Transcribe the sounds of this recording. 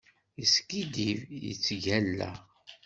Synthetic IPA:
iskid̪ivjḭt͡sːʝælːæ̰

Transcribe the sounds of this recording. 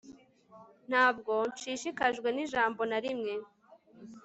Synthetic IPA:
n̥haːb̚ɡo̞nt͡ʃiːʃikaʒɡwe̞niʒaːmbo̞naɾimŋe̞

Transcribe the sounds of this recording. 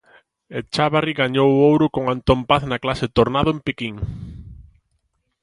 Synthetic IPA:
et͡ʃaβariɣaɲowowɾʊkoŋant̪ompaθnaklaset̪oɾnaðʊempikiŋ

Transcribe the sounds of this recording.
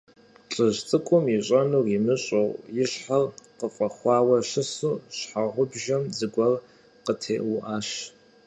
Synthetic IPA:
t͡ɬʼɨʑt͡sʼɨkʷʼʊmiɕʼɐnuːrimɨɕʼowjɪɕħalqəfʼɐχʷɑːwɐʃɨsuːɕħaʁʷʊbʒɐmzɨɡʷɐr | qətʰeːʔʊʔaːɕ

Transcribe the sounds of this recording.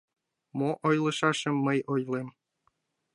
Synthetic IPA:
moʔojlˠɤ̆ʃɑʃɤ̆mːəjojlˠem

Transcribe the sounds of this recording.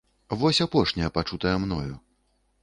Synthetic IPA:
vɔsʲapɔʂnʲɐjɐpat͡ʂut̪ɐjɐmn̪ɔ̰jṵ

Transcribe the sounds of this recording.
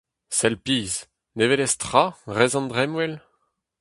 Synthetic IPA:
sɛlpiːz | nevelɛst̪χaʁɛzɑ̃nd̪ʁɛmwɛl

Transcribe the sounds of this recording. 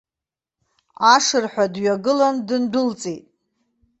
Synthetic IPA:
aʂɨrħʷᶣadɥaɡɨlandɨndʊlt͡sʼitʼ

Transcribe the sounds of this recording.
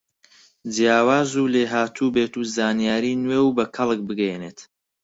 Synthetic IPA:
d͡ʒjaːwaːzuːleːɦaːt̪ʰuːbet̪uːzaːnijaːɾiːnweːwbɐkʰɐlˠɨk̚bɨɡɛjeneːt̪

